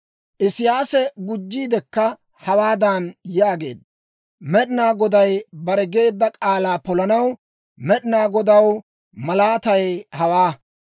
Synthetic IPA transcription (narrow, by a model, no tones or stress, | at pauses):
ʔɪsɪjaːsɛɡʊd͡ʒːiːd̪ɛkːɐ | hɐwaːd̪ɐnjaːɡe̞ːd̪ɐ | mɛɗɪnaːɡɔd̪ɐjbɐɾɛɡe̞ːd̪ːɐkʼaːlaːpɔlɐnɐw | mɛɗɪnaːɡɔd̪ɐw | mɐlaːt̪ɐjhɐwaː